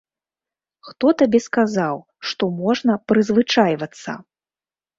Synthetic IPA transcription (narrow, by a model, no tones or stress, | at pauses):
xt̪ɔt̪abʲɛskazaw | ʂt̪ɔmɔʐnɐpɾɨzvɨt͡ʂajvɐt̪sːɐ̰